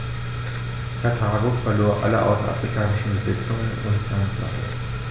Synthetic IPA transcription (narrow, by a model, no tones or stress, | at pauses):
kʰatʰaːɡofɛɐloːɐʔa̰ləʔa̰ʊsa̰fʁ̥ikʰaːnɪʃn̩bəzɪt͡sʊŋənʊntz̥aːnfla̰ɪ